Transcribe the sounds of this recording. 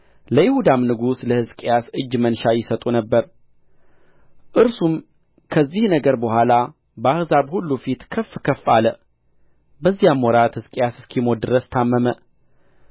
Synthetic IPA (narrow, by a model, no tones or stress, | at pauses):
ləjɪhud̪amnɨɡusləhɨskʼejasɨd͡ʒːmənʃajɪsət̪ʼunəbːəɾ | ʔɨɾsum | kʰəzːihnəɡəɾbəhʷala | bəahzabhulːufit̪kʰəfːkʰəfːalə | bəzːijamwɔɾat̪hɨskʼejasɨskʰimod̪ɨɾəst̪ʰamːəmə